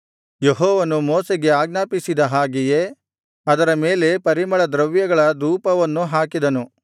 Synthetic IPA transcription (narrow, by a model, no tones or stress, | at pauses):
jeɦɔːʋɐnumoːseɡe̞aːɡ̚naːpisid̪ɐɦaːɡije̞ | ɐd̪ɐɾɐme̞ːle̞pɐɾimɐɭɐd̪ɾɐʋjɐɡɐɭɐd̪uːpɐʋɐnːuɦaːkid̪ɐnu